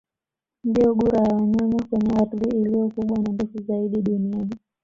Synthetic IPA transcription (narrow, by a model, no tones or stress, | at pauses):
ndijɔɡuɾajaɲamakwɛɲɛatliːlijɔkuɓwanandɛfuzaiɗiɗuniani